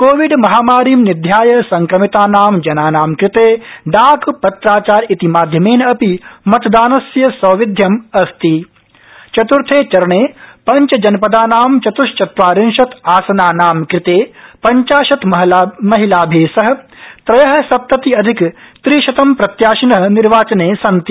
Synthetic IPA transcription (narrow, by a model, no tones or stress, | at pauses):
koːʋiɖmɐɦaːmaːɾiːmnid̪ʱjaːjɐsɐŋkɾɐmit̪aːnaːmd͡ʒɐnaːnaːmkɾɪt̪eːɖ̪aːkʰpɐt̪ɾaːt͡ʃaːɾit̪imaːd̪ʱjɐmeːnɐpimɐt̪ɐd̪aːnɐsjɐsɐːʋid̪ʱjɐmɐst̪i | t͡ʃɐt̪uɾt̪ʰeːt͡ʃɐɾɐɳeːpɐɲt͡ʃɐd͡ʒɐnpɐd̪aːnaːmt͡ʃɐt̪uʃt͡ʃɐt̪ʋaːɾinʃɐt̪aːsɐnaːnaːmkɾɪt̪eːpɐɲt͡ʃaːʃɐt̪mɐɦlmɐɦilaːbʱeːsɐɦɐ̆ | t̪ɾɐjɐɦɐ̆sɐp̚t̪ɐt̪iɐd̪ʱikt̪ɾiːʃɐt̪ɐmpɾɐt̪jaːʃɐnɐɦɐ̆niɾʋaːt͡ʃɐneːsɐnt̪i